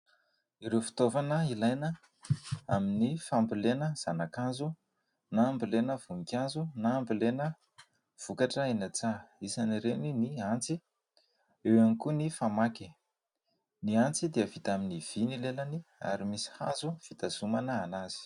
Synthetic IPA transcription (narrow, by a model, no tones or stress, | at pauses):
iɾewfi̥t̪ovanəilajnə | aminifambilenəz̥anakanzu | naːmbilenəv̥uŋikʲanzunaːmbilenə | v̥ukaʈ͡ʂəenat͡saisaniɾeniniant͡si | ewanikunifamaki | niant͡sid̪iəvit̪aminiv̥inilelania̰ɾimisi̥ha̰zuv̥it̪azumanəːnaz̥i̥